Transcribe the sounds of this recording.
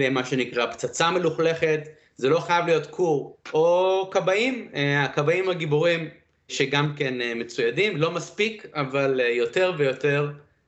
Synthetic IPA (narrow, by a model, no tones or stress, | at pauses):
emaʃe̞nikʁapt͡sat͡same̞luχle̞χe̞t̪ | zelo̞χajavlijo̞t̪kʰuʁokabaimakabaimhaɡibuʁim | ʃeɡamkenme̞t͡sujadimlo̞maspikavaljo̞te̞ʁvejo̞te̞ʁ